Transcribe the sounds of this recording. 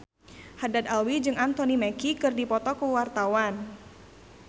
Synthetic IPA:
hadad̪alwid͡ʒɨŋant̪ɔnimɛkikɨrdipɔt̪ɔkəwart̪awan

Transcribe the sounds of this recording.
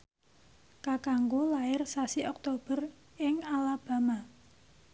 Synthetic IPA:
kakaŋɡolaɪrsasiʔɔk̚t̪ob̥ə̤r | ɪŋalab̥a̤ma

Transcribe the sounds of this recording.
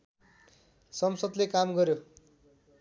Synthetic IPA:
sʌmsʌd̪lekamɡʌɾjo

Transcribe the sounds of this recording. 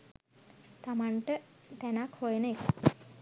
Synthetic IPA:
t̪amaɳʈət̪ænakhojenəek

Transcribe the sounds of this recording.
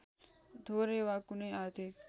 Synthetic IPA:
d̪ʱoɾeʋakuneat̪ek

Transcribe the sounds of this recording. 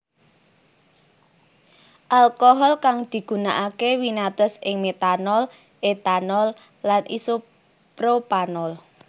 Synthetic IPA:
ʔalkoɦɔlkaŋd̪̥i̤ɡ̥ṳnaʔakewinat̪əsʔɪŋmet̪anɔl | ʔet̪anɔlː | anʔḭso | pɾopanɔl

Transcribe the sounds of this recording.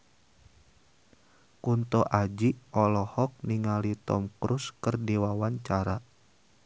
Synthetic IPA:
kunt̪ɔʔad͡ʒiɔlɔhɔk̚niŋalit̪ɔ̰mkɾuskərdiwawaɲt͡ʃaɾa

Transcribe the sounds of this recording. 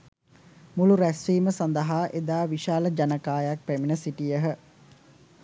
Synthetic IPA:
muluɾæsʋiːməsand̪əɦaːʔed̪aːʋiʃaːləd͡ʒanəkaːjak̚pæminəsiʈijəɦə

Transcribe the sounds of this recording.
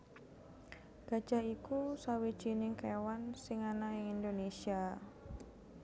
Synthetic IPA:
ɡ̥a̤d̥ʒ̥a̤ikusawid̥ʒ̥inɪŋkewansɪŋanaɪŋind̪onesia

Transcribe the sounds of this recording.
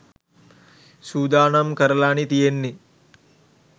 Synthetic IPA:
suːd̪aːnɐmkɐɾɐlaːnit̪ijenːi

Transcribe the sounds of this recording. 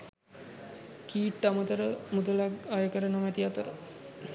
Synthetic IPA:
kiːʈːamət̪əɾəmud̪əlakajəkəɾənomæt̪iat̪əɾə

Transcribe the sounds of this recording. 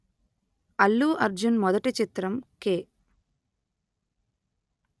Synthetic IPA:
ɐlːuʔɐɾd͡ʒunmɔd̪ɐʈit͡ʃit̪ɾɐmkeː

